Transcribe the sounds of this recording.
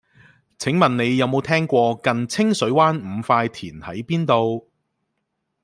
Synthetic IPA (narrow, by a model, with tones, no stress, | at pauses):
t͡sʰɪ˨˥ŋmɐ˨nne˨˧jːɐ˨˧wmo˨˧wt̪ʰɛː˥ŋkʷɔː˧kɐ˨nt͡sʰɪ˥ŋsɵ˨˥waː˥nm̩˨˧faː˧jt̪ʰiː˨˩nhɐ̰˨˥jpiː˥nt̪o˨˧w